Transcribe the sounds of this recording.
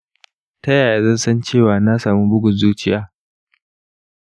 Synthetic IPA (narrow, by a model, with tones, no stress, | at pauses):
tɐ˦jaː˨ja˨zɐ˦˨nsɐ˦nt͡ʃeː˦˨waː˨na˦saː˨muː˦bʊ˦ɡʷʊ˨nzuː˦t͡ʃɪ˦jaː˦